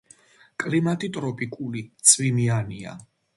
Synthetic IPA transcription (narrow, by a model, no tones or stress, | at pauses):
kʼlimat̪ʼit̪ʼɾɔpʼikʼulit̪sʰʼvimiania̰